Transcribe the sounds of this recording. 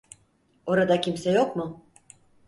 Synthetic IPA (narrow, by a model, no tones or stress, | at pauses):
o̞ɾad̪akcʰimsɛjo̞kmʊ